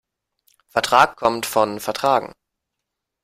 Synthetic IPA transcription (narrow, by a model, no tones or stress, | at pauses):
fɛɐtʁ̥aːkkʰɔmtfɔnfɛɐtʁ̥aːɡŋ̩